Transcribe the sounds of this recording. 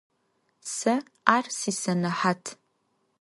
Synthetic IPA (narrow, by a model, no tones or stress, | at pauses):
sɐ | aːrsiːsɐnɐħaːtʰ